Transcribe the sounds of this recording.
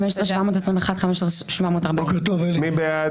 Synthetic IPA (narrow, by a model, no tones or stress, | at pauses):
mɛʃsʁeʃvamoːt̪ɛsʁĩmveχadχamɛʃsʁeʃvamoːt̪aʁbaket̪ovɛlmibea